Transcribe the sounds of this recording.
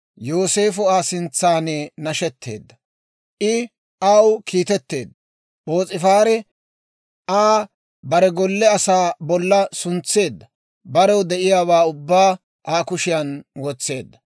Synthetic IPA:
joːse̞ːfʊaːsɪnt͡sːaːneːnɐʃɛt̪ʰːe̞̰ːd̪ːɐ | ʔɪ | awkiːt̪ɛt̪ːe̞ːd̪ːɐ | boːt͡sʼɪfaːɾɛ | ʔaː | bɐɾɛɡɔlːɛɐsaːbɔlːɐsʊnt͡sːe̞ːd̪ːɐ | bɐɾɛwd̪ɛʔɪjaːβaːʊbːaː | ʔaːkʊʃɪjɐnwɔt͡sːe̞ːd̪ːɐ

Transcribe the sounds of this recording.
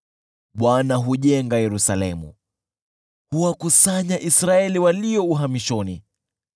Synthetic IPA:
ɓwanaɦuʄɛŋɡajɛɾusalɛmṵ | huwakusaɲaʔisɾaɛliwaliɔuɦamiʃɔni

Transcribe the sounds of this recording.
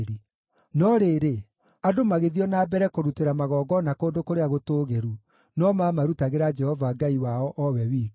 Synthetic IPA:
ɾe | nɔɾeːɾe | adomaɣeðiɔnaːbɛɾɛkoɾuteɾamaɣɔːɡɔnakoːndokoɾeaɣotoːɣeɾu | nɔmaːmaɾutaɣeɾad͡ʒɛhɔvaɡaiwaɔʔɔwɛwiː

